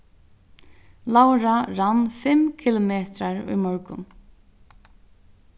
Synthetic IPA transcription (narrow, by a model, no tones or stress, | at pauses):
lawɾaɾanfɪmkʰɪlʊmeːt̪ɾaɹṵjmɔɹkʊ̰n